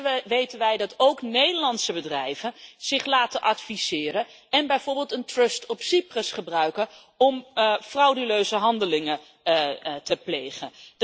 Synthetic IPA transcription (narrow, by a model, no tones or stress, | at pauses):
ʋejtənʋɛjdɑtowknejdəɹlɑntsəbədrɛjvənz̥ɪχlaːtənʔɑtfiz̥ɪːrən | ɛnbɛjvʊːɹbɪːlˠtəntrɵstɔpsiprəsχəbrœɥkə | ɔmfrɑwdəløɥzəɦɑndəlɪŋə | təplejχən